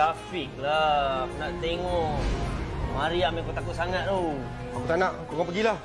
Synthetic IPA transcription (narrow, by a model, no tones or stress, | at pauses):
afik̚lakunaʔt̪eŋɔʔ | maɾiamikot̪akut̪̚saŋat̪̚d̪u | akut̪anaʔkoɡapəɡilah